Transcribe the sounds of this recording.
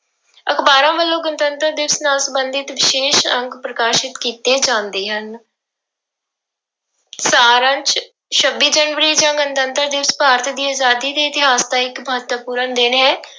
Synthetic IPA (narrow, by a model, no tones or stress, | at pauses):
əkʰbaːɾãːʋəlːõːɡənt̪ənt̪əɾd̪ɪʋsnaːlsəbənd̪ɪt̪ʋɪʃeːʃə̃ŋɡpɾəkaːʃɪt̪kiːt̪eːd͡ʒãːnd̪eːɦən | saːɾãːt͡ʃ | ʃəbːiːd͡ʒəːnʋəɾiːd͡ʒãːɡənt̪ənt̪əɾd̪ɪʋspaːɾt̪ʰd̪iːaːzaːd̪iːd̪eːɪt̪ɪɦaːsd̪ãːɪkməɦət̪əpuːɾənd̪ɪnɦɛː